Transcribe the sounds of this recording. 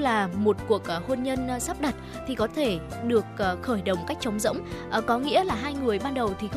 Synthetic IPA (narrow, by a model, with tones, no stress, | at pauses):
laː˨˩mo˨˩t̚ku˨˩ək̚ːho˧nɲə˧n˨sa˦˥p̚ɗə˨˩t̚ | t̪ʰi˨˩kɔ˨˦t̪ʰe˧˩ | ɗɨ˨˩ək̚ːxəː˧˩jɗə˨˩wŋ͡mka˦˥jk̟̚t͡ɕə˨˦wŋ͡mzə̰˧˥wŋ͡mʔə˨˩kɔ˨˦ŋḭ˧˥əlaː˨˩ɦaː˧jŋɨ˨˩əjɓaː˧nɗə˨˩wt̪ʰi˨˩x